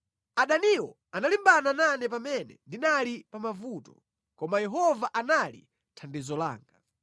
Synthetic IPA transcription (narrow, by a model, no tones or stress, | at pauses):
aɗaniwɔ | analimbanananɛp̬amɛnɛ̰ndinalipamavutɔ̥̰ | kɔmajɛɦɔvaʔanalḭ | tʰandizɔla̰ːŋɡa